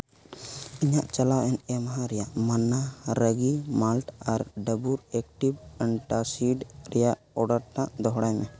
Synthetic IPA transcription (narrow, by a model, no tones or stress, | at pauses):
iɲaʔt͡ʃalaʔɛnɛmaɦãɾɛjaʔmanːaɾəɡimalʈaɾɖəbuɾɛk̚ʈibəɳʈasiɖɾɛjaʔ | ɔɖaɾʈãʔd̪ɔɦɽajmɛ